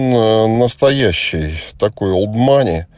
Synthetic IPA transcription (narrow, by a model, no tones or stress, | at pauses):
nənəst̪ɐjæɕːɪjt̪ɐko̞jʊlˠbmanʲɪ